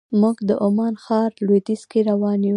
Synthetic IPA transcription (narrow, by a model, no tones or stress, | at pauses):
muɡd̪əʔʊmɑnxɑɾlwed̪iskeɾawɑnu